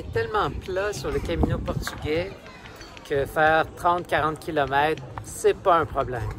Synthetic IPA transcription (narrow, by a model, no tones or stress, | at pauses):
ɛt̪ɛlmɑ̃plasyʁləkʲaminopɔʁt̪yɡʲɛ | kʰəfɛːʁt̪χɑ̃ːt̪̚kʲaʁɑ̃t̪̚kʲilɔmɛːt̪χsɛpaɛ̃pχɔblɛ̃m